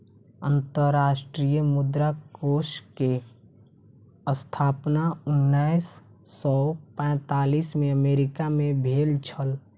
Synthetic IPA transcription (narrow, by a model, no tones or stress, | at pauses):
ənt̪əɾɾaːʃʈɾijəmʊd̪ɾakoːʃke | əst̪ʰaːpnaʊnːaɪsː | ɔpɛ̃ːt̪aːliːsmẽəmeːɾɪkamẽbʱeːlt͡ʃʰəl